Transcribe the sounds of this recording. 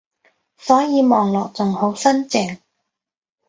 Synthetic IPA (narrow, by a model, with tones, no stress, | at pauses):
sɔː˨˥jiː˨˧mɔː˨ŋlɔː˨k̚t͡sʊ˨ŋho˨˥wsɐ˥nt͡sɪ˨˩ŋ